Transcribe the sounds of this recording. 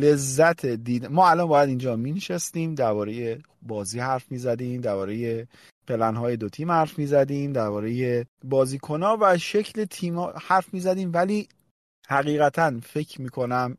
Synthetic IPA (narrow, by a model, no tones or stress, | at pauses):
le̞zːæt̪ʰed̪iːd̪mɒːælɒnbɒːjæd̪ind͡ʒɒːmiːneʃæst̪iːmd̪æɾbɒːɾe̞je | bɒːziːhæɾfmiːzæd̪iːmd̪æɾbɒːɾe̞je | pʰe̞lænɦɒːje̞d̪ot̪ʰiːmhæɾfmiːzæd̪iːmd̪æɾbɒːɾe̞jebɒːziːkʰo̞nɒːvæʃecʰlet̪ʰiːmːhæɾfmiːzæd̪iːmvæliː | hæɣiːɣæt̪ʰænfe̞cʰmiːkʰo̞næm